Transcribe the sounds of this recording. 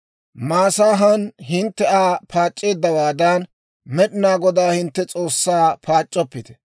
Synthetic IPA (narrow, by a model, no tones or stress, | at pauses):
maːsaːɦɐnhɪnt̪ːɛaːpʰaːt͡ʃʼːe̞ːd̪ːɐwaːd̪ɐn | mɛɗɪnaːɡɔd̪aːhɪnt̪ːɛt͡sʼo̞ːsːaːpʰaːt͡ʃʼːɔpːɪt̪ɛ̥